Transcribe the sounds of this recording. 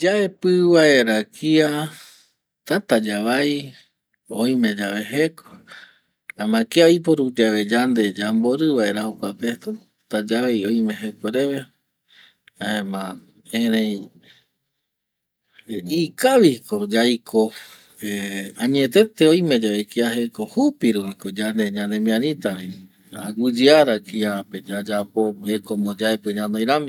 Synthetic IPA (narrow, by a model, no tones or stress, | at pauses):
d͡ʒaepɨβaeɾakʰia | t̪at̪ad͡ʒaβaj | oj̃mẽ̞d͡ʒaβeɦeko | amãkiaojp̬oɾud͡ʒaβe̞d͡ʒand̪e̞d͡ʒamboɾɨβaeɾahokʷapet̪a | t̪ad͡ʒaʋajõjmẽ̞ɦekoɾe̞βe | aẽmã | eɾẽj̃ | ikaʋikod͡ʒajkʰo | eãɲẽt̪e̞t̪eojme̞d͡ʒaekiaɦekohupiɾupikod͡ʒand̪e̞ɲãnd̪emĩãɾĩt̪aβi | aaɡɨd͡ʒiaɾakiape̞d͡ʒad͡ʒapohekomod͡ʒaepɨ̃ɲãnoj̃ɾami